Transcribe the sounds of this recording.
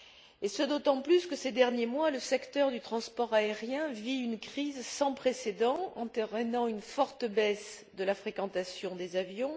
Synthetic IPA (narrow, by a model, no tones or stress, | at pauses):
esəd̪ot̪ɑ̃plyskəsed̪ɛʁnjemwaləsɛkt̪œʁd̪yt̪χɑ̃spɔʁaeʁjɛ̃viynkχizsɑ̃pχesed̪ɑ̃ɑ̰̃t̪eʁənɑ̃ynfɔʁt̪əbɛsd̪əlafχekɑ̃t̪asjɔ̃d̪ezavjɔ̃